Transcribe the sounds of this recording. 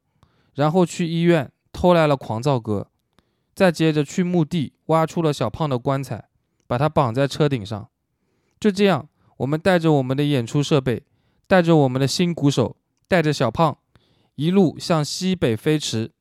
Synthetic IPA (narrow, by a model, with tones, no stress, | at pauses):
ɻa˧˥nxo˥˧ʊt͡ɕʰy˥˩i˥ɥɛ˥˩n | t̪ʰo˥ʊla˧˥ɪlə˧kʰwɑ˧˥ŋt͡sɑ˥˩ʊkɤ̰˥ | t͡sa˥˩ɪt͡ɕjɛ˥˩ʈ͡ʂə˨˦t͡ɕʰy˥˧mu˥˧t̪i˥˩wa˥ʈ͡ʂʰu˥lə˨ɕjɑ˨˩ʊpʰɑ˥˩ŋd̪ə˩kwa˥nt͡sʰa˨˩˦ɪ | pa˨˩t̪ʰa˥pɑ˨˩ŋt͡sa˥˩ɪʈ͡ʂʰɤ˥t̪i˨˩ŋʂɑ̰˥˩ŋ | t͡ɕjo˥˧ʊʈ͡ʂɤ˥˧jɑ˥˩ŋ | wɔ˨˩mə˦nt̪a˥˩ɪʈ͡ʂə˩wɔ˨˩mə˦nd̪ə˧jɛ˨˩nʈ͡ʂʰu˥ʂɤ˥˧pe˥˩ɪ | t̪a˥˩ɪʈ͡ʂə˩wɔ˨˩mə˦nd̪ə˧ɕi˥nku˧˥ʂo˨˩˦ʊ | t̪a˥˩ɪʈ͡ʂə˩ɕjɑ˨˩ʊpʰɑ˥˩ŋ | i˧˥lu˥˩ɕjɑ˥˩ŋɕi˥pe˨˩ɪfe˥ɪʈ͡ʂʰɻ̩˧˥